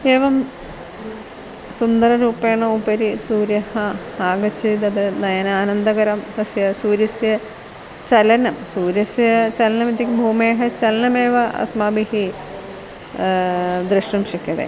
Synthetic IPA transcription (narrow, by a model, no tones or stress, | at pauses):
eːʋɐm | sund̪ɐɾɐɾuːpːeːɳɐupɐɾisuːɾjɐhɐ | aːɡɐt͡ɕːid̪ɐd̪ɨnɐjɐnaːnɐnd̪ɐɣɐɾɐmt̪ɐsjɐsuːɾjɐsjɐ | t͡ɕɐlɐnɐmsuːɾjɐsjɐt͡ɕɐlɐnɐmit̪ːikʲːibʱuːmeːɦɐt͡ɕɐlɐnɐmeːʋɐʔɐ̰smaːbihi | d̪ɾɨʂʈɐmɕɐkʲːɐðḛ